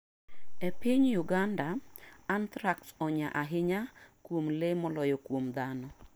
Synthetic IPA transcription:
epɪɲjʊɡandaant̪ɾaksɔɲa̰ʔaɦɪɲakwomlemɔlɔjɔkwomd̪anɔ

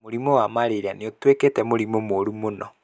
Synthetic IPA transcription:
oɾimowamaɾeɾaneotweketɛmoɾimomoɾumonɔ

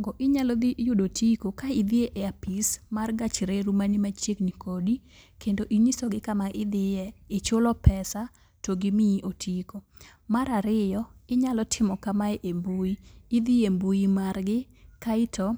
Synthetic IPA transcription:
ŋɡɔʔɪɲalɔd̪ijʊdotʰikokaid̪ɪeʔɛapismarɡat͡ʃɾeɾumanimat͡ʃjeknikʰodikʰendoʔinisɔɡɪkamaɪd̪ɪjɛːt͡ʃolɔpɛsa | toɡɪmiʔotʰiko | maɾaɾɪjɔɪɲalɔtʰɪmɔkamaɛʔembuiːd̪iembuimarɡɪ | kaɪtʰɔ

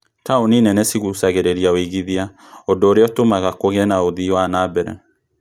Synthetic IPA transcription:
taoninɛnɛsiɣusaɣeɾeɾiaoiɣiðia | ondoːɾeɔtomaɣakoɣɛnaoðiwanabɛɾɛ̰

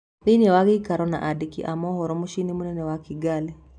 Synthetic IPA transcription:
ðinɛwaɣikaɾɔna̰ʔadikḭʔamɔɦɔɾɔmuʃinimunɛnɛwakiɡalɛ

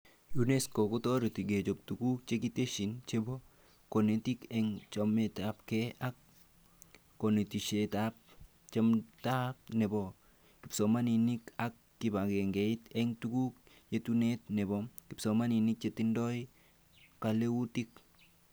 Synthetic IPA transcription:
juneskokotɔɾitiɡet͡ʃop̚tukuk̚t͡ʃekiteʃint͡ʃebɔ | konetikɛŋt͡ʃometapkɛak | onetiʃetap̚ | t͡ʃemtap̚nɛbɔ | kɪpsɔmaninikakːɪbakeŋɡɛitɛŋtukuk | jetunet̚nɛbɔkɪpsɔmaninik̚t͡ʃetindɔj | kaleutik̚

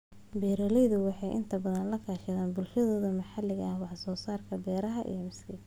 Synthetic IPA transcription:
bɛːɾɔːlɛjðʊwɑħɑjʔɪ̰nt̪ʰɐbɐðɐnlɐkʰaːʃɪðaːnbʊlʃɐðɔːðɐmɐħɑlɪɣɐːhwɑħsɔːsaːrkʰɐbɛːɾɐɦɐʔḭjɞmɪskʰɪ

